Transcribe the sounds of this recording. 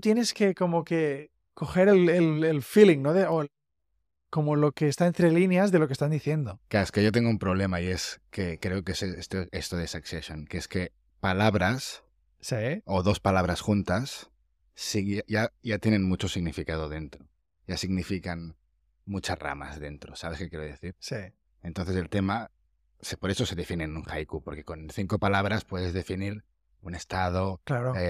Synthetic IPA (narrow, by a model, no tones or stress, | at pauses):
ut̪jene̞ske̞ko̞mo̞ke̞ | ko̞xe̞ɾelelelfiliŋno̞ðeo | ko̞mo̞lo̞ke̞ːst̪aent̪ɾelinjazðelo̞kest̪and̪iθje̞nd̪okaeskeʝot̪eŋɡoumpɾoβ̞le̞maie̞skekɾe̞okeseest̪oest̪oð̞esakseʃjoŋkeeske̞ | palaβɾas | seoðo̞spalaβ̞ɾasxunt̪asː | iaʝaʝat̪je̞nẽ̞nmut͡ʃosiɣnifikaðoðe̞nt̪ɾo | ʝasiɣnifikan | mut͡ʃara̰ma̰zðe̞nt̪ɾosaβe̞skekjeɾoðeθiɾsi | ent̪onθeselt̪e̞ma | sepoɾe̞so̞se̞ðefinenunxajkupoɾke̞ko̞nθiŋko̞palaβ̞ɾaspwe̞ð̞ezðe̞finiɾ | une̞st̪að̞oklaɾo